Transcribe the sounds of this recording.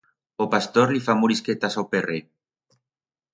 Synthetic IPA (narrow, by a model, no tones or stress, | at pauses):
opast̪oɾlifamuɾisket̪asawpere